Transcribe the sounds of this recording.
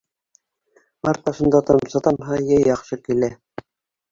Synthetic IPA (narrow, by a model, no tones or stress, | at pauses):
ɑɾt̪̚ɑʃɤ̆nd̪ɑt̪ɑsɑt̪ɑnɦɑjæjɑχʃɤkilæ